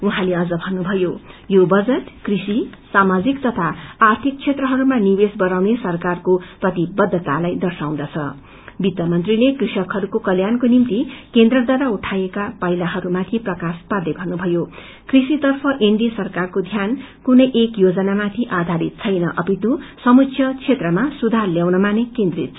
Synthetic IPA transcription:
uɦãleʌd͡zʌbʱʌnːubʱʌjojobʌd͡zʌʈkrisisamad͡zikt̪ʌt̪ʰaːrt̪ʰik̚t͡sʰet̪rʌɦʌɾumanibesbʌɾawnesʌrkarkoprʌt̪ibʌd̪ʱːʌt̪alajd̪ʌrsaw̃d̪ʌt͡sʰʌ̰ | bit̪jʌmʌnt̪rilekrisʌkɦʌɾukokʌljankonimt̪ikend̪rʌd̪ʱwaɾauʈʰajekapʌilaɦʌɾumat̪ʰiprʌkaspad̪ebʱʌrnubʱʌjo | krisit̪ʌrpʰʌʔeɳɖisʌrkarkod̪ʱjan | kunʌjʔekjod͡zʌnamat̪ʰiʔad̪ʱaɾit̪̚t͡sʰʌjnʌʔʌpit̪usʌmut͡sʰjʌt͡sʰet̪rʌmasud̪ʱarljawnʌmanekẽnd̪rḭt̪̚ʰ

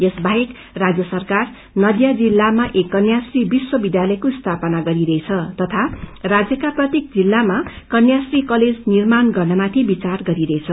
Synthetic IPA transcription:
esbaɦek | rad͡zjʌsʌrkar | nʌd̪jad͡zilːamaʔekːʌnjasribiswʌbid̪jalʌjkoist̪ʰapʌnaɡʌɾiɾʌejt͡sʰʌt̪ʌt̪ʰarad͡zjʌkaprʌt̪jek̚d͡zilːamakʌnjasrikʌled͡znirmanɡʌrnʌmat̪ʰibit͡sarɡʌɾiɾʌet͡sʰʌ

